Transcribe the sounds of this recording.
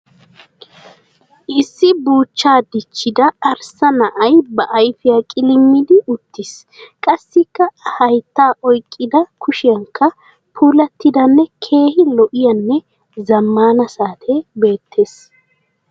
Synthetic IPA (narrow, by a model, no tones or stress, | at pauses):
ʔɪsːɪbuːt͡ʃːaːd̪ɪt͡ʃːɪd̪ɐɐɾsɐnɐʔɐjbɐʔɐjfɪjakʼɪlɪmːɪd̪ɪʔʊt̪ːɪs | kʼɐsːɪkːɐhɐjt̪ːaːʔɔjkʼːɪd̪ɐkʊʃɪjɐŋkʰːɐ | pʰuːlɐt̪ːɪd̪ɐnːɛkʰe̞ːhɪlɔʔɪjɐnːɛ | zɐmːaːnɐsaːt̪ʰɛbe̞ːt̪ʰːe̞ːs